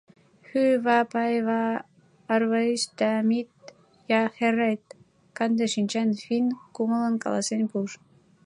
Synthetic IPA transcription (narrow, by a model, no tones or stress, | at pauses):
xyβɑpɑjβɑ | ɑrβɤist̪æmit̪ | jɑxeræjt̪ | kɑnd̪eʃinʲt͡ɕænfinkumɤlɤ̆nkɑ̰lɑsenʲpuʃ